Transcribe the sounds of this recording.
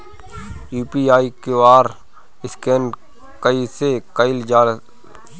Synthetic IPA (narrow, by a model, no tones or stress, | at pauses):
juːpiːaːikewaːɾ | ɪskeːn | kəisekəɪld͡ʒaːl